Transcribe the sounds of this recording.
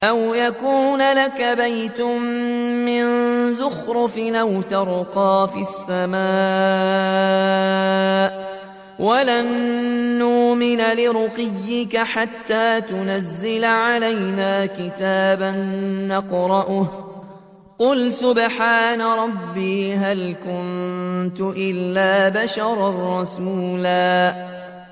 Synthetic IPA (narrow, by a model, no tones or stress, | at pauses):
ʔawjakuːnalakabajt̪ʊmmɪnzʊxɾʊfɪnʔawt̪ɑɾˤqɑːfisːamaː | ʔ | wʔalanː | uːmɪnalɪɾʊqɪjːɪkaħat̪ːaːt̪ʊnazːɪlaʕalajnaːkɪt̪aːbanːɑqɾˤɑʔʊh | qʊlsʊbħaːnaɾˤɑbːiːɦalkʊnt̪ʊʔɪlːaːbaʃɑɾˤrˤːɑsuːlaː